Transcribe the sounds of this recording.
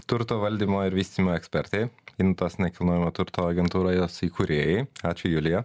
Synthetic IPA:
t̪ʊɾt̪oːʋɐlʲd̪ʲiːmoːɪɾʋʲiːsʲt̪ʲiːmoːɛksʲpʲɛɾʲt̪ʲeɪɪnt̪oːsnʲɛkʲɪlˠnoːjɪmoːt̪ʊɾt̪oːɐɡʲɛnt̪uːɾoːjoːsikʊɾʲeːjɛɪɑːt͡ʃʲʊjʊlʲɪjɛ

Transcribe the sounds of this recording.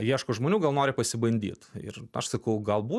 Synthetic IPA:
jiɛʃkoʒmoːnʲuːɡɐlˠnoːɾʲɪpɐsʲɪbɐnʲd̪ʲḭːt̪ɪ̰rɐʃsɐkɐʊɡɐlˠbuː

